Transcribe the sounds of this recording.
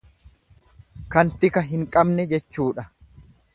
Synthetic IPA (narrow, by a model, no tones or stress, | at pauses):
kɐnt̪ɪkɐɦɪŋkʼɐbnɛd͡ʒɛt͡ʃːuːᶑɐ